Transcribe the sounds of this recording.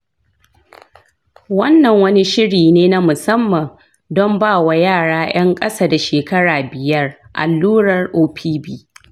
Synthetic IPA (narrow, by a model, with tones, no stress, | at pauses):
wɐ˦nːɐ˨ŋwɐ˦ni˦ʃɪ˦ɽiː˨neː˦na˦mʊ˨sɐ˦mːɐ˨ŋ | dɔ˦mbaː˦˨wa˨jaː˦˨ɽaː˦j̰ɐ˦ŋkʼɐ˦saː˦da˨ʃeː˨kɐ˦ɽaː˨bɪ˨jɐ˦rʔa̰˨lːuː˦ɽɐ˨rʔoː˦ɸʰiː˦bi˦